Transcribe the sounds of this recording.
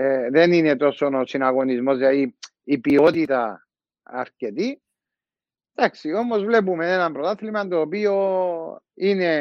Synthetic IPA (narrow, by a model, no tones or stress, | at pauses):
eðe̞nine̞t̪o̞so̞nosinaɣo̞nizmo̞zjat̪iː | pio̞t̪it̪ɐ̰ː | ɾce̞t̪i | d̪aksio̞mo̞zvle̞p̬ume̞ne̞nɐmpɾot̪aθlimant̪oːpio̞ | ine̞